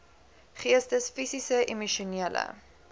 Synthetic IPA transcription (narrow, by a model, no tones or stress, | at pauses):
χiəstəsfisisəʔimuʃuniələ̰